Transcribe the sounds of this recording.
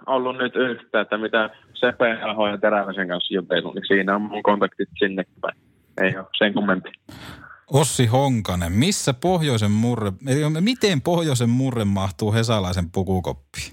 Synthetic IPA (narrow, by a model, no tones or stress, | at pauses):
olːunnyt̪yht̪ˑæːet̪ːæmit̪æ | sepelhoːjɑt̪eræʋæseŋkɑnsjut̪elːṵnisiːnæommuŋkont̪ɑkt̪it̪sinːekːipæ̰ˑe | ḛˑioseŋkumːemp̪i̥ | osːihoŋkɑnemmisːæpohjoˑisemmurːeeikmit̪empohjoˑisemmurːemmɑht̪uːhesɑlɑˑisempukuˑko̰pːi̥ː